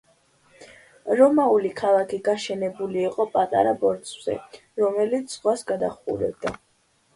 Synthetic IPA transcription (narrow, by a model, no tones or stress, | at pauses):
ɾɔmaulikʰalˠakʰiɡaʃɛnɛbuliːqʼɔpʼat̪ʼa̰ɾabɔɾt̪sʰʼvz̥ɛ̰ | ɾɔmɛlit̪sʰz̥ʁwasɡad̪aχṵɾɛ̰b̚d̪a